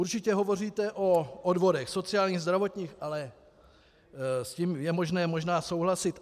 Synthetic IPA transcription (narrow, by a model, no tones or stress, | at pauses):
uɾt͡ʃɪcɛɦo̞vo̞r̝iːt̪ɛʔoʔodvo̞dɛxso̞t͡sɪaːlɲiːɣzd̪ɾavo̞t̪ɲiːxʔalɛ | sciːmjɛmo̞ʒnɛːmo̞ʒnaːso̞wɦlasɪt̪